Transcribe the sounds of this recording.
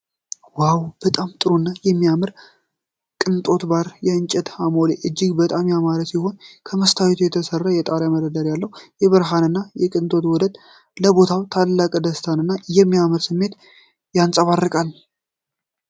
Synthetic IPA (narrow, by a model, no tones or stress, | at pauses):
wawb̥ət̪ʼamt̪ʼɨɾonːajɛmːijamɨɾ | kʼɨnt̪ʼo̞t̪baɾjɛɨnt͡ʃʼɛt̪hamoleʔɨd͡ʒːɪɡbət̪ʼamjamaɾət̪siho̞nkʰəməst̪ʰawet̪ʰujɛt̪ʰəsərːajɛt̪ʼaɾjaməd̪əd̪əɾjalːəhwjɛβɨɾɦanɨnːajɛkʼɨnt̪ʼo̞t̪wɔd̪əd̪ | ləbo̞t̪ʰawt̪ʰallːakʼd̪əst̪ʰanɨnːajɛmːijamɨɾsɨmːe̞t̪ | jansʼəβarːɨkʼal